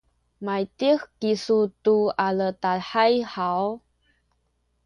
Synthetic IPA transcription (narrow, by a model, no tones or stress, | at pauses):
majt̪ixkisut̪ualət̪aħajhaw